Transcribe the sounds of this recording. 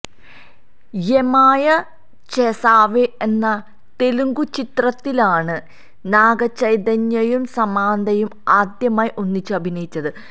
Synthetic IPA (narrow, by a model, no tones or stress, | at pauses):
jemaːjɐ | t͡ɕesaːʋeenːɐ | t̪eluŋɡut͡ɕit̪rɐt̪ːilaːɳɨ | naːɡɐt͡ɕɐjd̪ɐɲːɐjumsɐmaːnd̪ɐjumaːd̪jɐmaːjiʔonːit͡ɕːɨɐbʱinɐjit͡ɕːɐðɨ